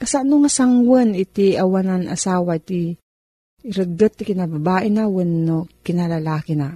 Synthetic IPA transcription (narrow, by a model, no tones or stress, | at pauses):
kɐsaʔnoŋasaŋwənɪt̪iɐwanana̰saːwait̪i | ɾəɡət̪ːɪkɪnababaːʔɪnawənːokɪnalalaːkɪna